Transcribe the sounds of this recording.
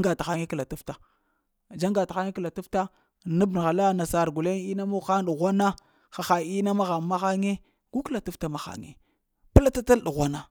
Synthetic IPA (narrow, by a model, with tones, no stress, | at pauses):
ŋɡa˨ta˨xa˦ŋe˦kla˨tu˦fta˨ | d͡ʒa˦ŋɡa˨ta˨xa˦ŋe˦kla˨tu˦fta˦ | nu˦bn˨ɣa˨la˦na˨sa˨ɾɡu˨le˦ŋi˦na˦mu˦xa˦n˦ɗu˨ɣʷa˦na˦ | xa˨xa˨i˦na˦ma˦ɣa˨ma˦xa˦ŋe˦ | ɡu˦kla˨tu˦fta˦ma˨xa̰˨ŋḛ˨ | pa˦la˦ta˦ta˦lu˨ɣʷa˦na˦˨